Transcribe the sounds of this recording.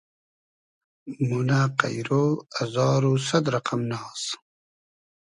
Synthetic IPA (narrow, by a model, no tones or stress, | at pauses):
munaːqa̰jɾoazɑːɾosɐd̪ɾɐqamnɑːs